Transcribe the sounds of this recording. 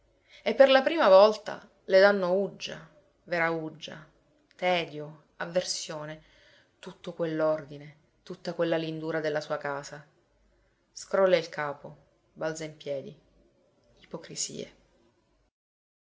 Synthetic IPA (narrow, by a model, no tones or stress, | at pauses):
epːerlapɾiːmavɔlt̪a̰ | led̪anːoud͡ʒːa̰ | veɾaud͡ʒːa̰ | t̪ɛːd̪jo | avːersjoːne | t̪ut̪ːokwelːord̪ine | t̪ut̪ːakwelːalind̪uːɾad̪elːasuːakaːza | skɾɔlːeilkʰaːpo | balt̪zaimpjɛːd̪ḭ | ipokɾisḭːḛ